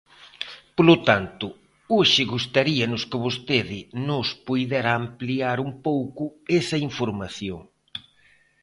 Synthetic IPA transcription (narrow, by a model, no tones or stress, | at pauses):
polʊt̪ant̪ʊ | oʃɪɣust̪aɾiɐnʊskɪβost̪eðɪnʊspujðɛɾaːmpliaɾumpowkʊesɐiɱfoɾmaθjoŋ